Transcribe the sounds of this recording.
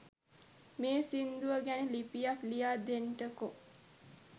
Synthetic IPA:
meːsind̪uʋəɡænəlipijaklijaːd̪enʈəko

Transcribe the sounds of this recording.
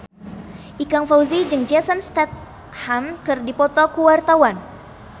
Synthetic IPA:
ʔikaŋfawzid͡ʒɨŋd͡ʒasənst̪ɛt̪̚ | hamkɨrdipɔt̪ɔkuwart̪awan

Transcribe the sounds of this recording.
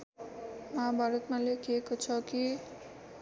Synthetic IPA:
mãbʱaɾot̪mãlekiekot͡sʰɔki

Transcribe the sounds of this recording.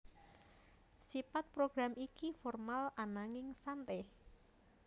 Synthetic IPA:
sipat̪̚pɾoɡ̥ɾamikifɔrmalanaŋɪŋsant̪eh

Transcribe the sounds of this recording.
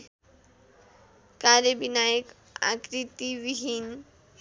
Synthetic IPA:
kaɾjəbinajek | a̰kɾit̪iʋiɦin

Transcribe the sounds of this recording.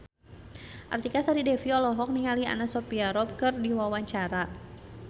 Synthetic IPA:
ʔa̰rt̪ikasaɾidɛfiɔlɔɦɔk̚niŋalia̰nasɔpiaɾɔp̚kɨrdiwawaɲt͡ʃaɾa

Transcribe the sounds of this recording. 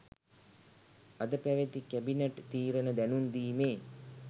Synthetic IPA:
ɐd̪əpæʋet̪ikæbineʈt̪iːɾənəd̪ænund̪iːmeː

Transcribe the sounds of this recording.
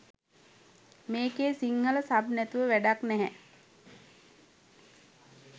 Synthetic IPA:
meːkeːsiŋhələsabnæt̪uʋəʋæɖaknɛɦɛ

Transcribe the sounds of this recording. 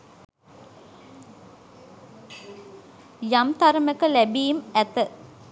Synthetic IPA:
jamt̪aɾəməkəlæbiːmæt̪ə

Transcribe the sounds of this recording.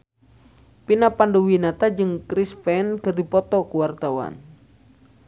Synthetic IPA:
pinapandowinat̪ad͡ʒɨŋkɾispɛnkɨrdipɔt̪ɔkuwart̪awa̰n

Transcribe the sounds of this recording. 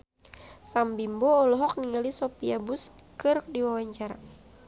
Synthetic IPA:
sambimbɔːlɔɦɔk̚niŋalisɔpiabuskɨr̚diwawaɲt͡ʃaɾa̰

